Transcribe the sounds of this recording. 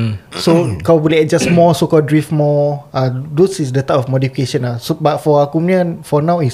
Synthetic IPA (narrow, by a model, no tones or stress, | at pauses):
sokawbuliɛt̚d͡ʒasmɔsokɔldɹifmɔadosisdət̪apɔfmɔdifikeʃə̃nasobat̚fɔakumnə̃nfɔnãwis